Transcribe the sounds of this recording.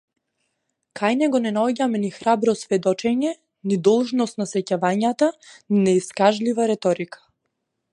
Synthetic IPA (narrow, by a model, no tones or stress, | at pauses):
kʰajnɛɡɔnɛnaɔɟamɛnixɾabɾɔsvɛd̪ɔt͡ʃɛɲɛ | nid̪ɔlˠʒnɔst̪nasɛcavaɲat̪aninɛiskaʒlivaɾɛt̪ɔɾikḁ